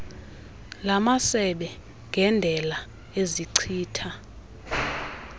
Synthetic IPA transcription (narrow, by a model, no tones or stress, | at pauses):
lamasɛɓɛ | ŋɡʱɛndʱɛla | eziǀʰiːtʰa